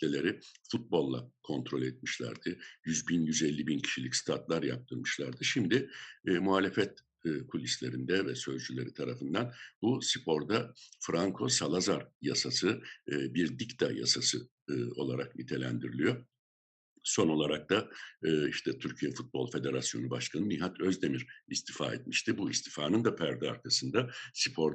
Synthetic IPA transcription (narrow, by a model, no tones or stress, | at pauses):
elʲe̞ɾifut̪̚bo̞lˠːa̰kʰo̞nt̪ʰɾo̞lʲɛt̪̚miʃlʲæ̰ɾd̪̥ɯjyzbinjyzɛlʲːibincʰi̥ʃilʲicst̪ʰat̪lˠaɾja̰p̚t̪ʰɯɾmɯʃlʲˠaɾd̪ɯʃimd̪ɪːmuhaːlʲe̞fɛt̪̚ː | kʰulʲislʲe̞ɾind̪ɛvɛsø̞zd͡ʒylʲe̞ɾit̪ʰaɾafɯnd̪anbusipʰo̞ɾd̪afɾʔaŋkʰo̞salˠazaɾja̰sasɯbiɾd̪ict̪ʰa̰ja̰sasɯ̰ | o̞̰lˠaɾa̰knit̪ʰe̞lʲæ̰nd̪iɾilʲijo̞ | so̞no̞lˠaɾak̚t̪aː | iʃt̪ʰɛt̪ʰyɾcʰijɛfut̪̚bo̞lˠfe̞d̪e̞ɾasjo̞nubaʃkʰanɯmiɦat̪ʰøzd̪e̞miɾist̪ʰifa̰ːɛ̰t̪̚miʃt̪ibuist̪ʰi̥faːnɯnd̪apʰæɾd̪ɛa̰ɾkʰasɯnd̪asi̥pʰo̞ɾ